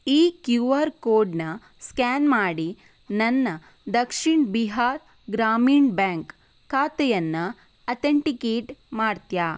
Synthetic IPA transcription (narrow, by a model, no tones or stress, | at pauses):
iːkjuʋaːɾkoːɖnɐ | skaːnmaːɽi | nɐnːɐ | d̪ɐkʂiɳbiɦaːɾ | ɡɾaːmiːɳbaːŋk | kʰːaːt̪ɛjɐnːɐ | ɐt̪ʰeɳʈikeːʈmaːɽt̪jaː